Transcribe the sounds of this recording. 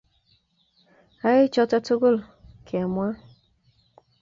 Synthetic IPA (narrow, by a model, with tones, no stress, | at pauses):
a˦ɣɪ˦t͡ʃɔ˦tɔ˦tʊ˦ɡo˦lkʰe˨mʷ˦a˦